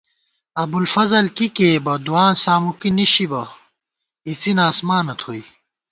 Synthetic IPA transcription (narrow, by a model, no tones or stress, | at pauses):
ɐbulfɐzɐlkikeːbɐd̪uaːnsaːmukiniɕibɐ | it͡sinaːsmaːnɐt̪ʰoi